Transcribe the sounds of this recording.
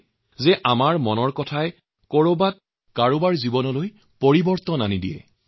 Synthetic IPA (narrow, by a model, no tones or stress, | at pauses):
zɛʔamaɹmɔnɔɹkɔtʰaɛ | koɹobat̚ | kaɹobaɹzibɔnɔloj | poɹibɔɹt̪ɔnanidijɛ̰